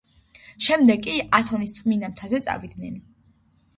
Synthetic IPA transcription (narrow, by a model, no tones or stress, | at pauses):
ʃɛmd̪ɛɡʼiʔat̪ʰɔnist̪sʼminamt̪ʰazɛt̪sʼa̰vid̪nɛni